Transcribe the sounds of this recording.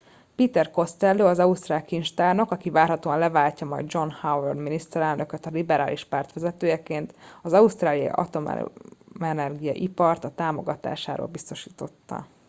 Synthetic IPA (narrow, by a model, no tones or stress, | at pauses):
piːt̪ɛrko̞st̪ɛlːøːɒzɒust̪raːlkint͡ʃt̪aːrno̞kɒkivaːrhɒt̪oːɒnlɛvaːlcɒmɒ̰jd̪d͡ʒo̞nhawɛrd̪minist̪ɛɾɛlnøkøt̪ɒlibɛɾaːlʔiʃpaːrt̪ʋɛzɛt̪øːjɛkeːnt̪ɒzɒust̪raːlijɒ̰ʔɒ̰t̪o̞m̰mɛnɛrɡijɒ̰ʔipɒrt̪ɒt̪aːmo̞ɡɒt̪a̰ːʃa̰ːɾo̰ːlbist̪o̞ʃiːt̪o̞t̪ːɒ̰